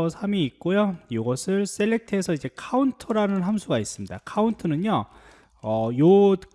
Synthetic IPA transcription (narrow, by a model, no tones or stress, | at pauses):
sʰamiːk̚k͈ojojoɡʌsʰɯɭs͈eɭːe̞k̚tʰɯesʰʌid͡ʑe̞kʰauntʰɯɾanɯnɦamsʰuɡais͈ɯmɲida̰kʰauntʰɯnɯɲo | ʌjo